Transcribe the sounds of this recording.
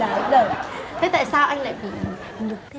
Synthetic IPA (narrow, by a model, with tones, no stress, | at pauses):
aː˨˦zəː˨˩jt̪ʰə˨˧˦jt̪a̰ː˧˨jsaː˧wʔa˧jŋ̟la̰ː˧˨jɓḭ˧˨˩ | lɨ˨˩k̪̚ʰ